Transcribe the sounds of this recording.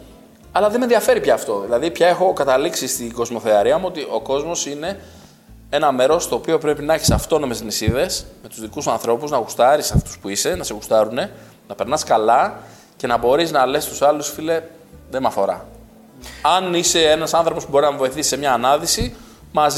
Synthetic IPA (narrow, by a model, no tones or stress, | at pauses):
ɐlɐðemenðiɐfe̞ɾipçɐːft̪o̞ðilɐðipçɐe̞xo̞kɐt̪ɐliksist̪iɡo̞zmo̞θeɐɾiɐmuo̞t̪iʔo̞ko̞zmo̞sine̞ | e̞nɐme̞ɾo̞st̪o̞ːpio̞pɾe̞pinɐeçisɐft̪o̞no̞me̞znisiðe̞sme̞t̪uzðikusɐ̃nθɾo̞puznɐɣust̪ɐɾisɐft̪u̥spuise̞nɐseɣust̪ɐɾune̞ | nɐpe̞ɾnɐskɐlɐ | ce̞nɐbo̞ɾiznɐlesist̪usɐlusfile | ðemɐfo̞ɾɐ̰ | ɐnise̞enɐsɐnθɾo̞po̞spubo̞ɾinɐmevo̞iθisi̥semɲɐːnɐðisi | mɐz